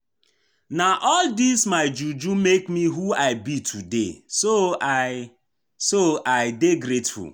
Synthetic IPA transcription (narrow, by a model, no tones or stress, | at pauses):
naʔɔldismaɪd͡ʒud͡ʒumekmiɦuaɪbitʰudḛso | soaɪdeɡɾetfṵl